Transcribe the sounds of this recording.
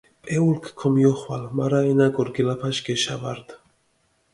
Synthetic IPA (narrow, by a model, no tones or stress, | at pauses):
pʼeulkʰkʰɔmjɔχwalmaɾainaɡɔɾɡilapʰaʃɡeʃavaɾd̪̥